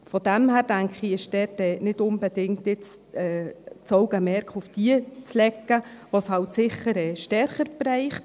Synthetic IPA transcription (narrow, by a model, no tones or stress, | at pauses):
fɔd̥æmhæːɾd̥æŋkχiɪʃd̥ɛtɛːnɪtʊnbɛdɪŋtjɪt͡s | ɛːt͡sɔʊɡ̥əmɛɾkχufd̥iət͡slɛkːəʋoshɑltsɪχəɾɛːʃtɛɾχəɾb̥rɛɪχt